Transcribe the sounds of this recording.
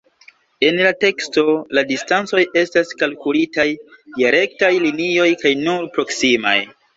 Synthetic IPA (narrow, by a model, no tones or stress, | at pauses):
e̞nlate̞ksto̞ladistant͡so̞je̞staskalkulitajdaɾe̞ktajlinio̞jkajnuɾpɾo̞ksima̰j